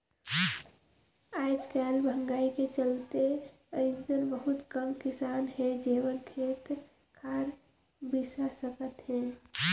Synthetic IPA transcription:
aɪd͡ʒkɛlbʱə̃ŋɡaːiket͡ʃəlt̪e | əɪnd̪ənbəɦut̪kəmkɪsanɦɛd͡ʒeʋənkʰeːt̪ | kʰaːɾ | bisasəkət̪ɦɛ̃

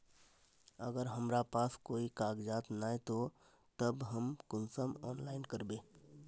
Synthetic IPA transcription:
ə̰ɡəɾɦəmɾapaːskoːikaːɡd͡ʒaːt̪naːet̪o | t̪əbɦəmkʊnsəmɔːnlaːɪnkəɾbeː

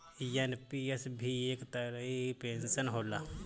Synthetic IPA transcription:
jɐnpiesbʱieːkt̪əɾəɦipẽːnsənɦoːlaː

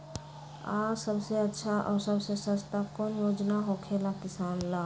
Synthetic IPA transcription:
a̰ːsəbseətːʃʰaʔɔːɾsəbsesə̃st̪akonjoːd͡ʒnaɦokʰeːlakɪsaːnla

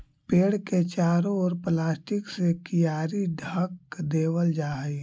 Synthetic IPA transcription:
peːɽket͡ʃaːɾoɔːɾplaːsʈɪksekijaːɾiɖʱəkd̪eːwəld͡ʒaːɦi

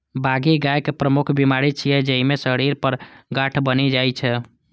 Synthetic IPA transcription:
baɡiɡajkepɾəmukʰbimaɾit͡ʃʰijɛd͡ʒəɦimesəɽiɾpəɾɡaʈʰbəned͡ʒajt͡ʃʰɛ

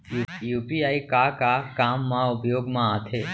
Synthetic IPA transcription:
ujuːpiːaːikakakaːmːãʊpjoːɡmãaːt̪ʰeː

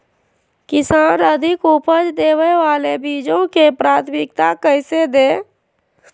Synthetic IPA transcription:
kɪsaːnəd̪ʱɪkupəd͡ʒd̪eːwəʋaːlebiːd͡ʒõkepɾaːt̪ʰmɪk̚t̪akəɪsed̪eː

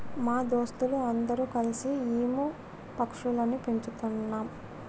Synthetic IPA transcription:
maːd̪oːst̪uluɐnd̪ɐɾuːkɐlisiiːmu | pɐkʂulɐnupeɲt͡ʃut̪unːaːm

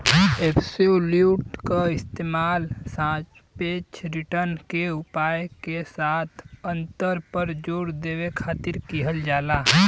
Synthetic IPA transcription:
eːpʰsoljuːʈkaɪst̪eːmaːlsãːt͡ʃ | peːt͡ʃɾɪʈəɾnkeʊpaːjkesaːt̪ʰə̃nt̪əɾpəɾd͡ʒoːɽd̪eːʋekʰaːt̪ɪɾkiɦəld͡ʒaːlaː

